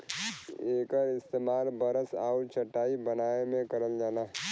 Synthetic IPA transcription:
eːkəɾɪst̪eːmaːlbəɾəsa̰ːuɾt͡ʃʰəʈːaːibənaːemẽkəɾəld͡ʒaːnaɦ

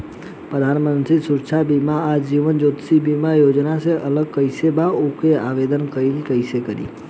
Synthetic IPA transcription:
pɾəd̪ʱanmənt̪ɾisuɾt͡ʃʰabimaːd͡ʒiʋənd͡ʒot̪sibimajod͡ʒnaseʔələɡ̚kəɪsebaokeaʋed̪ənkəilkəɪsekəɾḭ

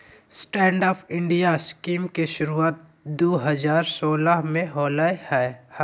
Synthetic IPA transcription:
sʈɛ̃ːɳɖɔːpʰɪ̃ɳɖijaskiːmkeʃʊɾuaːt̪̚ | d̪oːɦəzaːɾsoːlaɦmẽɦoːlaːehɛː

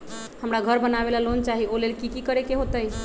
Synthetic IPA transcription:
həmɾaɡʱəɾbənabelalont͡ʃaɦiolelkikikəɾekeɦot̪əj

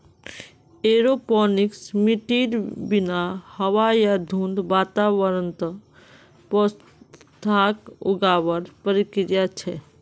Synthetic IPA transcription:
eːɾopɔːniksmiʈiːɾbinahəwajad̪ʱũːnd̪baːt̪aʋəɾənt̪ə | pɔs | t̪ʰakʊ̰ɡaːbəɾpəɾikɾjat͡ʃʰɛ

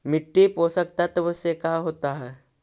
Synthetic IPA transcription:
mɪʈːiposəkt̪at̪ɔbosekaɦoːt̪aɦɛː

